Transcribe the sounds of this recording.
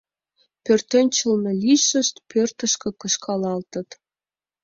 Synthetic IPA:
pørt̪enʲt͡ɕə̆lnɤ̆lʲiʃə̆ʃt̪pørt̪ə̆ʃkɤ̆kə̆ʃkʰɑlɑlt̪ə̆t̪

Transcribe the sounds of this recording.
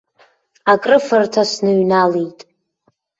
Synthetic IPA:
akʼrɨfartʰasnɨɥnalijtʼ

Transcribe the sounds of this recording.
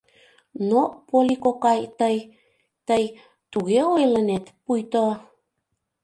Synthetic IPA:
nopolikokajt̪əj | t̪əj | t̪uɣeoelənet̪pujt̪o

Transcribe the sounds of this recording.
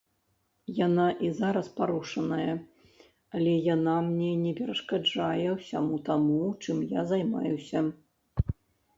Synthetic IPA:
janaʔizaɾɐspaɾuʂɐnɐjɐ | alʲɛjanamnʲɛnʲɛpʲɛɾɐʂkad͡ʐajɛwsʲamut̪amut͡ʂɨmjazajma̰jusʲɐ

